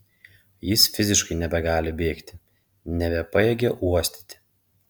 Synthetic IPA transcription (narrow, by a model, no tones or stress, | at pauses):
jɪsfʲɪzʲɪʃkɐɪnʲɛbʲɛɡɑːlʲɪbʲeːkt̪ʲɪ | nʲɛbʲɛpɐjɛɡʲɛʔuɔsʲt̪ʲɪ̥t̪ʲɪ̥